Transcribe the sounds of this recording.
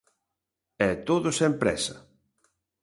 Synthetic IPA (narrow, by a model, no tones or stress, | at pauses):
ɛt̪oðʊsɛmpɾɛ̰sɐ